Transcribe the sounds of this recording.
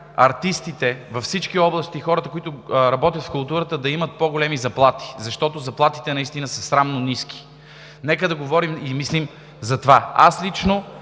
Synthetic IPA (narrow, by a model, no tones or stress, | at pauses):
ɐɾt̪ist̪it̪ɛvɐfsit͡ʃk̟iɔblˠɐst̪ixɔɾət̪əkoʊit̪ʊɾɐbɔt̪jət̪fkʊlˠt̪uɾət̪əd̪ɐimət̪̚poɡolɛmizɐplˠat̪i̥zɐʃt̪ɔt̪ozɐplˠat̪i̥t̪ɛnɐist̪inəsɐsɾamnonisk̟i̥ | nɛkəd̪ɐɡovɔɾimimislim | zɐt̪vaa̰slit͡ʃno